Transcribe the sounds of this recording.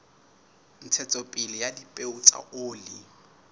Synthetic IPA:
n̩t͡sʰɛt͡sʼɔpʼɪlɪjadipʼeʊt͡sʼa̰ʔʊːlɪ

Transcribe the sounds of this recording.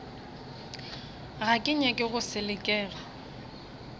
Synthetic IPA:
ɣakʼɪɲɛkʼɪɣʊsɪlɪkʼɛːɣa

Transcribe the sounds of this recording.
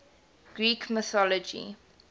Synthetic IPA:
ɡ̥ɹiːkʰməθɔlɔd͡ʒḭ

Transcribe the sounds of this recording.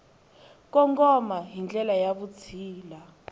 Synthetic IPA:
k̬ɔŋkʼɔmaɦind͡ɮɛlajaβut͡sʰiːla

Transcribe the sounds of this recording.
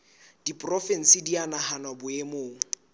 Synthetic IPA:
d̥ipʼrɔfɛn̩sɪdianahanwabʊemoːŋ̩

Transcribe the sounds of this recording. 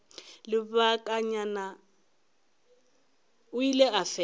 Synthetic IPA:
lɪβakʼaɲana | ujilɛafɛ

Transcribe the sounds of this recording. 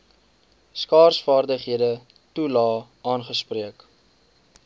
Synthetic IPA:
skɑːrsfɑːrdəχɦiədə | tulɑːʔɑːnχəspriək

